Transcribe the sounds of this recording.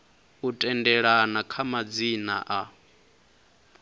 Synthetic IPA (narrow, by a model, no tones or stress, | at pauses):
utʼɛndɛɺanakʰamad͡zina̰ʔa